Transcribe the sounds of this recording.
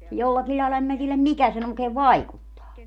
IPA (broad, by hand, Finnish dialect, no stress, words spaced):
jolːɑkil lʲɑilɑ em mæ tielæm mikæ sen oikeːʋ ʋɑikutːɑː